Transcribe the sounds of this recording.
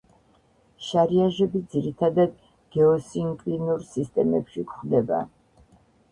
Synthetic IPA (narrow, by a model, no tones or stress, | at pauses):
ʃaɾiaʒɛbid̪ziɾit̪ʰad̪ad̪ | ɡ̥ɛɔsiŋkʼlinuɾsist̪ʼɛmɛpʃikʰχd̪ɛba̰